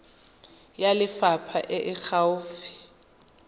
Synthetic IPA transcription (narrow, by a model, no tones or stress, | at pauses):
jalɪfapʰaʔɪʔɪk͡xaʊːfi̥